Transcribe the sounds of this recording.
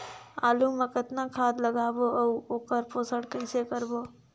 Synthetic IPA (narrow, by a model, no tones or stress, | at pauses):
aːlumekɪt̪nakʰaːd̪ləɡaːboəuoːkəɾpoːsəɽkəɪsekəɾboː